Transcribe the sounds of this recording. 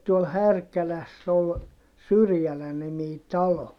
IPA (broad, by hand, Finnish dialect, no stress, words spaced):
tuol hærkælæsː ol syrjælænimiː tɑlo